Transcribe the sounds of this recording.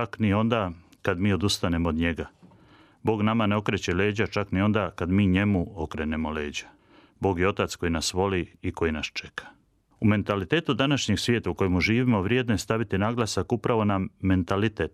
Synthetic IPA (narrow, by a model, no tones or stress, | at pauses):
aknio̞nd̪akad̪miːo̞d̪ust̪ane̞mood̪ɲe̞ɡa | bo̞ːɡnamaneo̞kɾet͡ɕe̞leːd͡ʑat͡ʃaknio̞nd̪akad̪miːɲe̞muokɾeːne̞mo̞le̞ːd͡ʑḁ | bo̞ːɡjeo̞t̪at̪sko̞jinasʋo̞liiko̞jinast͡ʃe̞̥kḁ | ume̞nt̪alit̪e̞ːt̪ud̪anaʃɲeɡsʋjeːt̪auko̞jemuʒiːʋimo̞ʋɾje̞ːd̪noest̪aʋit̪inaɡlˠasakupɾaʋo̞namːe̞nt̪alit̪et̪